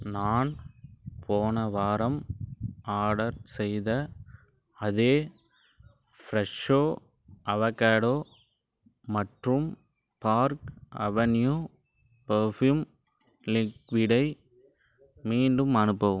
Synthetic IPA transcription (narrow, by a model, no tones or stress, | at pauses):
naːnpʰoːnɐʋaːɾɐm | aːɽɐɾsɛjðɐ | ɐðeː | fɾɛʂoː | ʔɐʋɐkːaːɽoː | mɐʈrɯm | paːɾkɐ̰ʋɐnjuː | pɐɾfjum | lɪkʋɪɽɐɪ | miːɳɖɯmɐnɯpːɐʋɯ